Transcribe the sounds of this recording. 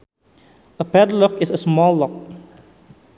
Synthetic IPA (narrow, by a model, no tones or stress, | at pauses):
əpɛdlɔkɪsəsmɔlˠlɔk̚